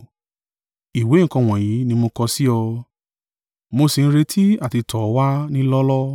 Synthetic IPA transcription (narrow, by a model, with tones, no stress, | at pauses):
i˨we˨˦ŋ̩˨kɔ̃˧˨w̃ɔ̃˨j̃ĩ˨˦nĩ˧mo˧kɔ˧si˦ɔ˧ | mo˧si˨˧ñ̩˦ɾe˧tʰi˦a˦˨ti˧tʰɔ˨˦wa˦nĩ˦lɔ˦lɔ˦